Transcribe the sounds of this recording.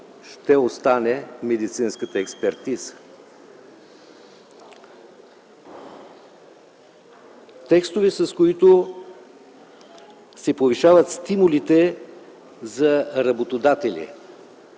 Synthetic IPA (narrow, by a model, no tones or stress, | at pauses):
ʃt̪ɛost̪anɛmɛd̪it̪sinskət̪əɛkspɛɾt̪iz̥ə̥ | t̪ɛkst̪ovɛsɐskoit̪o | sɛpoviʃavət̪st̪imʊlit̪ɛ | zɐɾɐbot̪od̪at̪ɛlʲḭ